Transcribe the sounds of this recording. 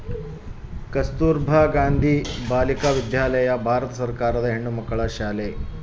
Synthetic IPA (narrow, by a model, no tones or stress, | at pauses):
kɐst̪uːɾbʱaːɡaːnd̪ʱibaːlikaːʋid̪ʱjaːlɐjɐbʱaːɾɐt̪ɐsɐɾkaːɾɐd̪ɐɦeɳːumɐkːɐɭɐʃaːle